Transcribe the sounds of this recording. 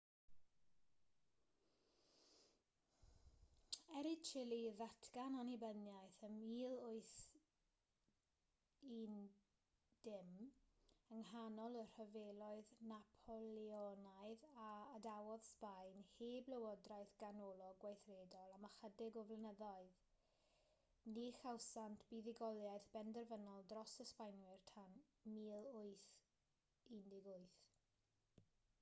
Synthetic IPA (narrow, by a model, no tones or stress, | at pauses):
ɛɾɪt͡ʃʰɪlˠiðatʰɡ̥ananibənjajθəmiːlˠʊɨθ | in | d̥ɪm | əŋhanɔlˠər̥həvelˠɔɨðnapʰɔlˠiɔnaɨðaːdawɔð̥spajnheːblˠəwɔdrajθɡ̥anɔlˠɔɡwajθreːdɔlˠamaχədɪɡɔvlˠənəðɔɨð | niχawsantʰb̥iðɪɡɔlˠjaɨθb̥ɛndərvənɔlˠdrɔsəspajnwɪrtʰan | miːlˠʊɨθ | indɪɡʊɨθ